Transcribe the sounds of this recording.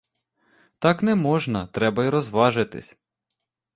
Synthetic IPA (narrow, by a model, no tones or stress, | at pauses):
t̪ɑknɛmɔʒnɐt̪ɾɛbɐiɾɔzʋɑʒɪt̪ɪ̰sʲ